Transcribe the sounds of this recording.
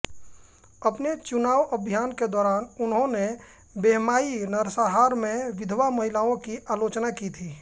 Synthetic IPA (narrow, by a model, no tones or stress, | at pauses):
əpnet͡ʃʊnaːʋəbʱjaːnked̪ɔːɾaːnʊnɦõne | beɦmaːinəɾsaɦaːɾmẽʋɪd̪ʱʋamɐɦɪlaːõkiʔaːloːt͡ʃnakit̪ʰiː